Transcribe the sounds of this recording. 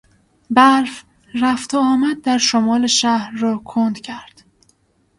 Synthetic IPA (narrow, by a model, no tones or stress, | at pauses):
bæɾf | ɾæft̪ʰoɒːmæd̪̚ːæɾʃomɒːleʃæhɾːɒːkʰond̪cʰæɾd̪̥